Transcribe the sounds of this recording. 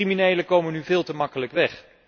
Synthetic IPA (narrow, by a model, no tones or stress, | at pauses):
riminejləkowmənyvɪːlˠtəmɑkələkʋɛχ